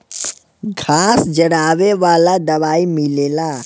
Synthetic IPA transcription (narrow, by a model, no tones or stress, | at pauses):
ɡʱaːsd͡ʒɐɽaːʋeʋaːlad̪ɐʋaːimɪleːlaː